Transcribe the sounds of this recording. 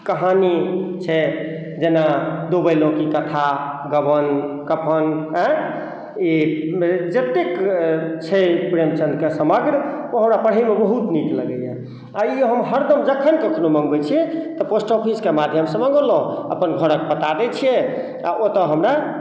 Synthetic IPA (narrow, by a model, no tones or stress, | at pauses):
kəɦanit͡ʃʰɛ | d͡ʒenad̪obəjlõkikət̪ʰa | ɡəbənkəpʰənɛ̃ | i | d͡ʒət̪ekt͡ʃʰɛpɾemt͡ʃənd̪kesəməɡɾoɦəmɾapəɽ̤ɦəimebəɦut̪nikləɡəjɛ | aiɦəmɦəɾd̪əmd͡ʒəkʰənkekʰnoməŋɡbɛt͡ʃʰiɛt̪ɔposʈopʰiskemad̪ʱjəmsə̃mə̃ŋɡolõə̰pənɡʱəɾək̚pət̪ad̪ɛt͡ʃʰiɛ | a̰ʔot̪əɦəmɾa